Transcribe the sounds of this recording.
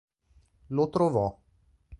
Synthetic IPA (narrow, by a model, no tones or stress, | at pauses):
lot̪ɾovɔ